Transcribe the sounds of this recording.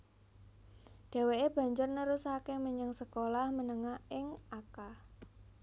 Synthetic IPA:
ɖ̥e̤weeb̥a̤ɲd͡ʒʊrnəɾusakeməɲəŋsəkolahmənəŋahɪŋʔaka

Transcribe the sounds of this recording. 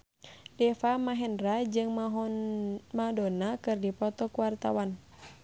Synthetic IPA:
dɛfamaɦɛnrad͡ʒɨŋ | madɔnakɨrdipɔt̪ɔkuwart̪a̰wan

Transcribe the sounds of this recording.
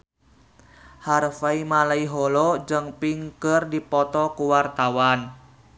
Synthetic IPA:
harfaimalaiɦɔlɔd͡ʒəŋpiŋkərdipɔt̪ɔkuwart̪awan

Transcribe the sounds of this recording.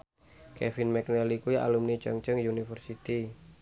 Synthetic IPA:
kɛfinmɛknɛlikuja̰lumnit͡ʃəŋt͡ʃəŋjunifərsit̪i

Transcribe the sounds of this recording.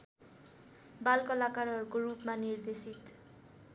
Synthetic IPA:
balkʌlakarɦʌɾukoɾupmanird̪esit̪

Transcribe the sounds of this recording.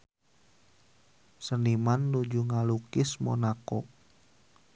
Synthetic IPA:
sənimanlud͡ʒuŋalukɪsmɔ̰nakɔ

